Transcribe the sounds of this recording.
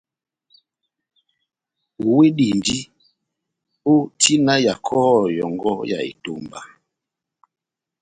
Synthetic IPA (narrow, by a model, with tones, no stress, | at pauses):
u˨we˦di˨ndi˦ | o˦tʰi˦na˦ja˨kʰɔ˦˨jɔ˨ŋɡɔ˦ja̰˨ḛ˨to˨mba˨